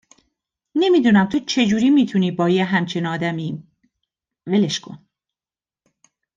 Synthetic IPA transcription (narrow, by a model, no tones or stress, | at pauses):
ne̞miːd̪uːnæmt̪ʰot͡ʃʰe̞d͡ʒuːɾiːmiːt̪ʰuniːbɒːjeɦæmt͡ʃʰinɒːd̪æmi | veleʃkʰo̞̰n